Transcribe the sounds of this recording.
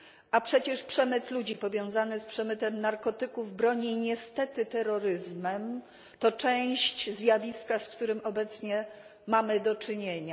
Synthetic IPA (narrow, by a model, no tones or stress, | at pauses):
ʔapʂɛt͡ɕɛʂpʂɛmɘt̪lud͡ʑipɔvʲjɔ̃w̃zanɘspʂɛmɘt̪ɛmnaɾkɔt̪ɘkuvbɾɔɲiɲɛst̪ɛt̪ɘt̪ɛɾɔɾɘzmɛm | t̪ɔt͡ʂɛ̃w̃ɕt͡ɕzʲjavʲiskaskt̪uɾɘmɔbɛt̪sɲɛ | mamɘd̪ɔt͡ʂɘɲeɲa